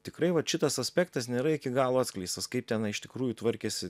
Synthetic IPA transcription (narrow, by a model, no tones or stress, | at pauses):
t̪ʲɪkɾɐɪʋɐʃʲɪt̪ɐsɐsʲpʲɛːkt̪ɐsnʲeːɾɐɪkʲɪɡɑːlˠoːɑːt̪sʲklʲɛɪst̪ɐskɐɪp̚t̪ʲɛnɐɪɪʃt̪ʲɪ̥kɾuːjut̪ʋɐɾʲkʲɛsʲɪ